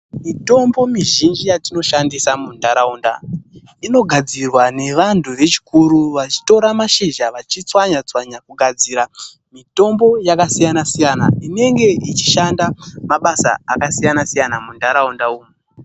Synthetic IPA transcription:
mito̞mbo̞miʒind͡ʒijatino̞ʃandisamundaɾauːnda | ino̞ɡʱad͡zirwane̞ʋantʰure̞t͡ʃi̥kuɾuʋat͡ʃi̥to̞ɾamaʃiʒaʋat͡ʃit͡swaɲat͡swaɲakuɡʱad͡ziːɾa | mito̞mbo̞jakasijanasijana̰ine̞ŋɡe̞ʔit͡ʃi̥ʃandamaɓasa̰a̰kasijanasijanamundaɾaundauːmu

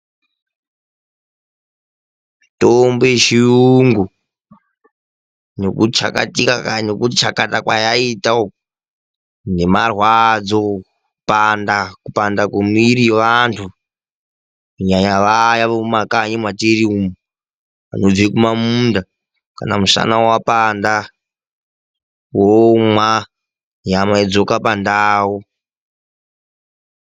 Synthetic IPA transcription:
matombojeʃijuŋɡu | nokut͡ʃa̰ka̰tikaanekut͡ʃakatakwajaitao | nemarwad͡zo | pandakupandakumiɾiʋantʰu | uɲaɲaʋajaʋoumakaɲimwateɾiumu | a̰nod͡zekumamuːnda | ka̰na̰musa̰nawapanda | womwa | ɲamaed͡zokapandaːwo

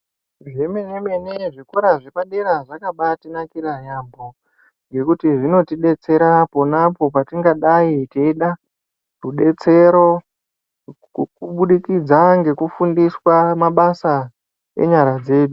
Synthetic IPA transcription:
ʐemenemeneʐikoɾaʐepaɗeɾaʐakaɓatinakiɾajambo̞ | ŋɡe̞kutiʐino̞tiɗe̞t͡se̞ɾapo̞napo̞patiŋɡaɗaiteiɗa | ruɗe̞t͡se̞ɾo̞ | kuɓuɗikid͡zaŋɡe̞kufundiswamaɓasa | e̞̰ɲaɾad͡ze̞ːɗu

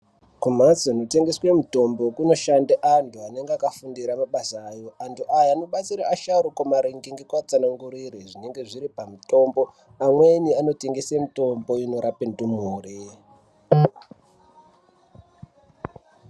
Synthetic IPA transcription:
kumat͡sonote̞ŋɡeswemuto̞mbokuno̞ʃandeʔantuane̞ŋɡeakafundiɾamaɓasːjo̞ʔantuʔajaːno̞ɓat͡siɾa̰ːʃauɾukomaɾiŋɡiŋɡekwat͡sanaŋɡuɾireʐine̞ŋɡe̞ʐiɾipamuto̞mbo̞ | amweniano̞te̞ŋɡesemuto̞mbo̞ino̞ɾapentumuːri

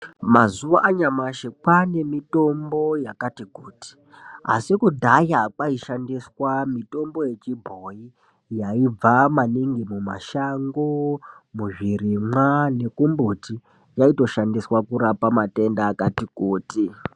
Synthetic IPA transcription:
mazuʋaʔaɲamaʃekwane̞mito̞mbo̞jakatikuːti̥ | a̰sikudʱajakwaiʃandiswamito̞mbo̞je̞t͡ʃibʱoji | jaib͡vamaniŋɡimuma̰ʃaŋɡomuʐirimwane̞kumbuti | jaito̞ʃandiswakuɾapamate̞ndaːkatikuːti

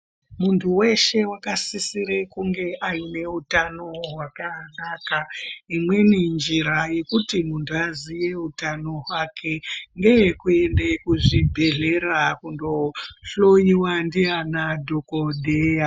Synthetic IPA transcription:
muntʰuwe̞ʃe̞wakasisiɾekuŋɡe̞ʔajine̞utano̞ɦwakanaːkaimwe̞nind͡ʒiɾaje̞kutimuntʰuazije̞utano̞ɦwakʰe̞ŋɡejkue̞nde̞kuʐibʱe̞ɮe̞ɾakundo̞ɬoiwandijanadʱokodʱeːja

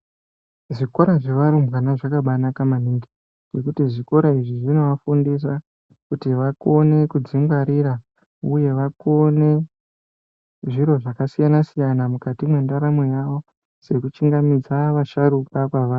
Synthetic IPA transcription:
ʐikoɾaʐe̞ʋaɾumbɣanaʐakaɓanakamaniŋɡi | d͡ʒe̞kutiʐiko̞ɾaiʐiʐino̞ʋafundis̬a | kutiʋako̞ne̞kud͡zimɡwaɾiɾa | uje̞ʋako̞ne̞ | ʐiɾo̞ʐakasijanasijanamukatimwendaɾamojaʋo̞ | se̞kut͡ʃiŋɡamid͡zaʋaʃaɾukakwaʋaːr

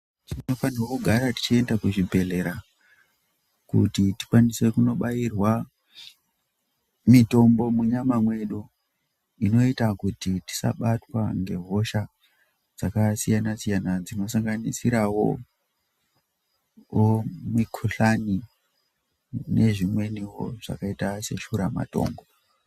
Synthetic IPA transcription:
tino̞fanirokuɡʱaɾati̥t͡ʃie̞ndakuʐibʱe̞ɮe̞ɾa | kṵtiti̥kwanise̞kuno̞ɓajirwa | mito̞mbo̞muɲamamwe̞ɗu | ino̞itakutiti̥sa̰ɓatwa̰ŋɡe̞ɦo̞ʃa | d͡zakasijanasijanad͡zino̞saŋɡanisiɾawo̰ | omikʰuɬani | neʐimwe̞niwo̰ʐ̥a̰kaitase̞ʃuɾama̰to̞̰ːŋɡo̞

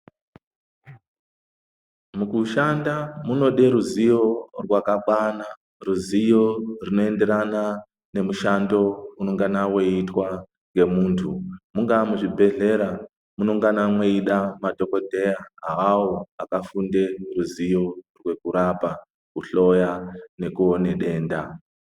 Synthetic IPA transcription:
mukuʃandamuno̞ɗe̞ɾuzijo̞rwakaɓwana | ruzijo̞rino̞e̞nde̞ɾana | ne̞muʃando̞unoŋɡanawe̞itwa | ŋɡe̞muːntʰumuŋɡamuʐibʱe̞ɮe̞ɾa | munoŋɡanamweiɗamadʱo̞ko̞dʱe̞jaaɦawoakafunde̞ruzijo̞rwe̞kuɾapa | kuɬo̞jane̞kuone̞ɗe̞ːnda

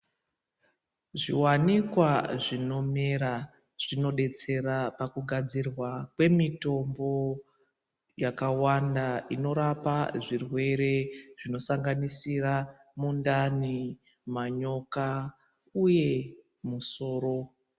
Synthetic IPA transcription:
ʐḭwanikwaʐino̞meɾa | ʐ̥ino̞ɗe̞t͡se̞rapakuɡʱad͡zirwakwe̞mito̞mbo̞ | jakawandaino̞ɾapaʐirwe̞ɾe̞ʐ̥ino̞saŋɡanisiɾa | mundani | maɲo̞ka | uje̞ | muso̞ːɾo̞

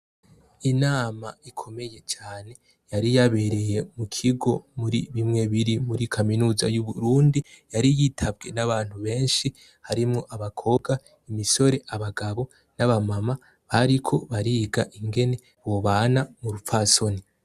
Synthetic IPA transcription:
inaːmaikʰo̞me̞je̞t͡ʃaːne̞ | jaɾijaβe̞ɾe̞je̞mukʰiɡo̞muɾiβimŋe̞βiɾimuɾikʰaminuːzajuβuɾuːndi | jaɾijitʰabɡe̞naβaːn̥huβe̞ːnʃi | haɾimŋo̞ʔaβakʰo̞ɡa | imiso̞ɾe̞ʔaβaɡaβo̞ | naβamama | βaɾikʰo̞βaɾiːɡaʔiŋɡe̞ne̞ | woβaːnamuɾufaso̞ni

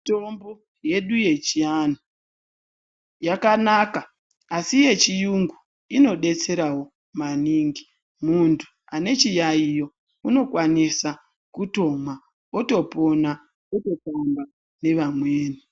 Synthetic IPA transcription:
to̞mbo | je̞ɗuje̞t͡ʃiano | jakanaka | asije̞t͡ʃijuŋɡu | ino̞ɗe̞t͡se̞ɾawo̞ | maniːŋɡi | muntʰu | ane̞t͡ʃijaijo̞ | uno̞kwanisa | kuto̞ma | oto̞po̞na | oto̞tamba | ne̞ʋamweːni

